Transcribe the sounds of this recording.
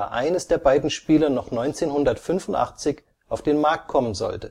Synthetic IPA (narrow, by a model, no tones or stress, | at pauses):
ʔa̰ɪnəsd̥eːɐbaɪdn̩ʃpiːlɐnɔχnɔʏnt͡seːnhʊndɐtfʏnfʊnta̰χt͡sɪç | ʔaʊfd̥eːnmaɐk̚t̚kʰɔmənzɔ̰ltə